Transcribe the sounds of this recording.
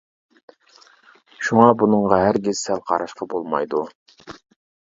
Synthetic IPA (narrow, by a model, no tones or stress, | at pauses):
ʃuŋɑbunɨŋʁɑɦæɾɡʲezsɛlqʰɑɾɑʃqɑbolˠmɑ̰jd̪u